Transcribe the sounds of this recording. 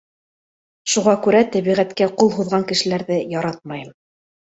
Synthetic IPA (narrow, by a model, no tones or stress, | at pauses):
ʃuʁɑkʉɾæt̪æβiʁæt̪kæqulˠɦuðʁɑŋkɘ̆ʃɘ̆læɾðɘjɑɾɑt̪̚mɑjɤm